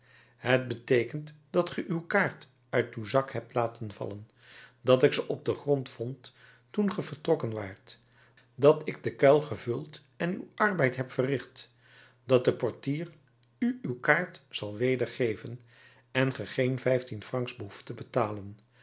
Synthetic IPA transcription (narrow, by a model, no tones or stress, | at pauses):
ɦət̚bətejkəntd̥ɑtχəʔywkaːɹt | ʔœɥtywzɑkhɛp̚tlaːtənvɑ̰lən | dɑtɪksəʔɔb̚dəχrɔntfɔntː | unχəvəɹtrɔkənʋaːɹt | dɑtɪɡ̚dəkɛlˠχəvɵlˠt | ɛny̰wʔɑɹbɛjtɦɛpfərɪχt | dɑt̚dəpɔɹtiːr | yywkaːɹtsɑlˠʋejdəɹχejvən | ɛnχəχejnvɛjftinfrɑŋksbəɦuftəbətaːlən